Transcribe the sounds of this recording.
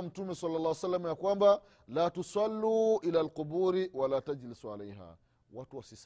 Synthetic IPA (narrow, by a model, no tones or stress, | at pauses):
m̩tumɛsɑlːɑlˤːaːwsalːamajakwamba | laːtusalːuʔilaːlqʊbuːɾiwalaːtad͡ʒlisualɛjɦa̰ː | watuwasis